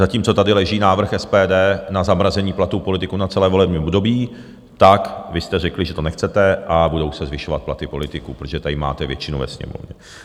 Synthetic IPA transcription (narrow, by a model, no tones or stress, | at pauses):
zaciːmt͡sot̪adɪlɛʒiːnaːvr̩xɛspɛːdɛːnazamɾazɛɲiːplat̪uːpolɪt̪ɪkunat͡sɛlɛːvo̞lɛbɲiːmobdo̞biː | t̪akvɪst̪ɛrɛklɪʒɛt̪o̞nɛxt͡sɛt̪ɛʔabudo̞wsɛzvɪʃo̞vat̪̚plat̪ɪpo̞lɪt̪ɪkuːpɾot̪oʒɛt̪adɪma̰ːt̪ɛvjɛ̰t͡ʃɪnuvɛ̰sɲɛ̰mo̰vɲɛ